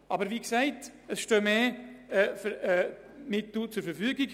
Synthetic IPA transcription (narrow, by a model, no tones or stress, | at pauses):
ʔɑbəɾviksɛɪtəsʃtøːmeːɛfəɛ | mɪtːut͡sʊɾfəɾfyəɡɪɡ